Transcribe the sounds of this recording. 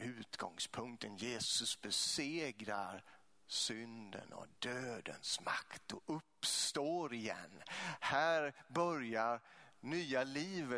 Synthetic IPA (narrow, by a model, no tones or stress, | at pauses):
ʉ̟ːt̪ɡɔŋspʰɵŋkt̪ʰənjeːsɵsbɛseːɡɾaɾ | sʏnd̪ə̰nɔ̰d̪̥øːd̪ə̰nsmakt̪ɔʔɵpːst̪oːɾɪjɛ̰nːhæːɾbœɾjaɾnyːaliːvə